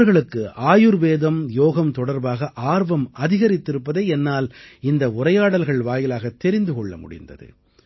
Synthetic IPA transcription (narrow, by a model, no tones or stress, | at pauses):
ɾɣɐɭɯkːɯʔaːjɯɾʋeːðɐmjoːɣɐmt̪ɔɽɐɾbaːɣɐʔaːɾʋɐmɐðɪɣɐɾɪt̪ːɪɾɯpːɐðeːɛnːaːlɪnd̪ɐʊrɐjaːɽɐlɣɐɭʋaːjɪlaːɣɐt̪ːɛɾɪnd̪ɯkɔɭːɐ̰mʊ̰ɽɪ̰nd̪ɐ̰ðɯ̰